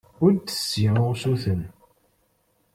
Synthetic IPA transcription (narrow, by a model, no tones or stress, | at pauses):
ʊɾd̪ə̥sːiʁʊʁsuθən